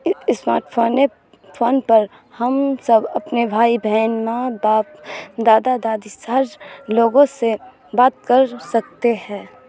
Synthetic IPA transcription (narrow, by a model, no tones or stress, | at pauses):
sma̰ːɾʈfʰoːne | fʰoːnpɐɾ | hɐmsɐbɐpnebʱaːibʱɛːnmãbaːpd̪aːd̪ad̪aːd̪isaɾloːɡõse | baːt̪kɐɾsɐkt̪ehɛ̃ː